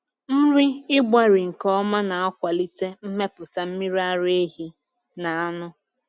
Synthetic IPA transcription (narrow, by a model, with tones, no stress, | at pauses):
m̩˦ɾi˦ɪ˦ɡ͡bʷa˦ɾi˨ŋ̩˨kɔ˦ma˦na˨a˦kʷa˨li˦te˦m̩˦me˦pʊ˨ta˨m̩˦mi˦ɾi˦a˦ɾe˦ɦi˦ | na˨a˦nʊ˦